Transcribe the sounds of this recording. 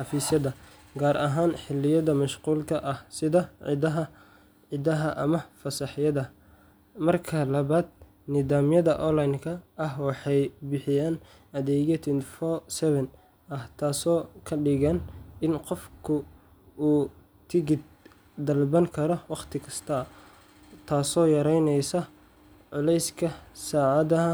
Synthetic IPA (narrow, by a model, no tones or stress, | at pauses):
ħɑfiːsjɐðɐ | ɡaːɾʔɐɦaːnħɪlːɪjɐðɐmɐʃquːlkʰɐʔɐhsɪðɐɦɐ | ʕɪðɐɦɐʔɐmɐfɐsɐħjɐðɐ | mɐrkʰɐlɐβaːd̪̚ | nɪðaːmjɐðɐʔɔnlajnkʰɐɐɦwɑħɑjbɪħɪjaːn | ɐðɛːɣɛt̪ʰɪnfɔsɛβɛn | ɐht̪ʰaːsɔːkʰɐɖɪɣɐnɪnqɔfkʰʊ | uː | t̪ʰɪɡɪd̪̚ | d̪ɐlbɐŋkʰɐɾɔwɑqt̪ʰɪkʰɐst̪ʰɐ | t̪ʰaːsɔːjɐɾɛjnɛjsɐ | ʕʊlɛjskʰɐsaːʕɑðɐɦɐ